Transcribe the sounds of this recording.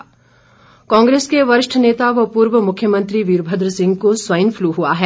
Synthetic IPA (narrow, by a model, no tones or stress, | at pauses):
kãːŋɡɾeːskeʋɐɾɪʃʈʰəneːt̪aʋɐpuːɾʋəmʊkʰjəmə̃nt̪ɾiʋiːɾbʱəd̪ɾəsɪ̃ŋɡkosʋɐjənfʰluɦua̰ɦɛː